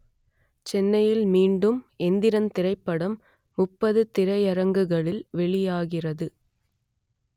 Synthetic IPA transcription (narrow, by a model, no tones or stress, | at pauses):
t͡ʃɛnːɐjɪlmiːɳɖɯmɛnd̪ɪɾɐnt̪ɪrɐɪpːɐɽɐmː | ʊpːɐðɯt̪ɪɾɐjɐɾɐŋɡɯɣɐɭɪlʋɛɭɪjaːɣɪrɐðɯ